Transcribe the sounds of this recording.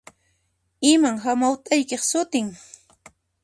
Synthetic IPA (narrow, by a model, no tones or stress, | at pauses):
ɪmaŋɦamawt̪ajkeχsʊt̪ɪŋ